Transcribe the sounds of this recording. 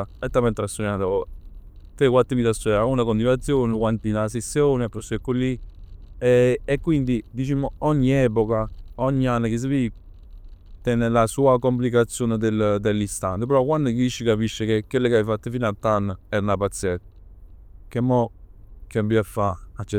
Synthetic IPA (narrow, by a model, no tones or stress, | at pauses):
ɛt̪ːamɛnt̪ɾast̪unat̪o | t̪ɾekwat̪ːimit̪ast̪ːuaunakont̪inat̪sːjoːnkwant̪inasesːjoːnapːɾosɛkːolːi | eekːwind̪id̪it͡ʃimoɔɲːiɛp̬okaɔɲːianːakis̬evi | t̪ɛnːelasuːakomp̬likat̪sːjoːned̪eld̪elːist̪ant̪ep̬eɾɔkwand̪okiʃːikapiʃːekekːelːekeaifat̪ːofiːnat̪ːanːɛɾnapat̪sjɛt̪ | kemːɔkembiafːaat͡ʃːɛ